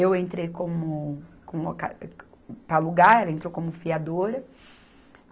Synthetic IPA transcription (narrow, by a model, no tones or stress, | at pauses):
ewẽnt̪ɾejkõmʊkõmka̰ | pɾɐluɡaɾɛlɐẽnt̪ɾowkõmʊfiad̪oɾɐ